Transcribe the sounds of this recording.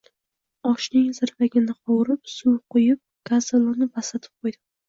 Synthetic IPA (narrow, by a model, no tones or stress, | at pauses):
ɒʃnɪŋzɪɾvaɡʲɪnɪqɒwɾɪp̚suwqʊjɪp̚kʰazalˠʊnɪbasat̪ʰɪ̥p̚qʰojd̪ɪ